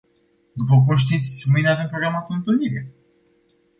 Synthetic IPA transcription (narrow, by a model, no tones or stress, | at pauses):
d̪upəkumʃ̬t̪it̪sʲmɨjneave̞mpɾo̞ɡɾamap̪uɨnt̪ɨlniɾe